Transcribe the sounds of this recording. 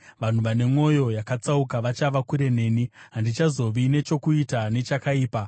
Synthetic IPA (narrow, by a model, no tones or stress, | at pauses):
ʋan̤uʋane̞mo̞jo̞jakat͡saukaʋat͡ʃaʋakuɾe̞ne̞ːniɦandit͡ʃazo̞ʋine̞t͡ʃo̞kuitane̞t͡ʃakaiːpa